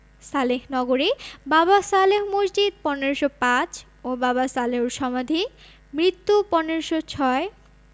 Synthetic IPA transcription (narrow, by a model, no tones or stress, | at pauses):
salehnɔɡoɾibabasaleɦmosd͡ʑid̪̚pɔneɾoʃopãt͡ɕ | obaβasaleɦuʃɔmad̪ʱi | mɹit̪ːupɔneɾoʃot͡ɕʰɔe